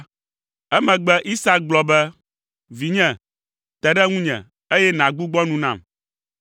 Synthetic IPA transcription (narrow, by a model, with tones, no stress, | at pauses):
ɛ˦mɛ̃˨ɡ͡bɛ˦ʔi˦sa˦ɡ͡blɔ˨bɛ˦ | vi˨ɲɛ̃˨ | t̪ɛ˨ɖɛ˦ŋũ˦ɲɛ̰̃˨ | e˦jɛ˦nã˨ɡ͡bu˦ɡ͡bɔ˦nũ˦nã̰˦˨m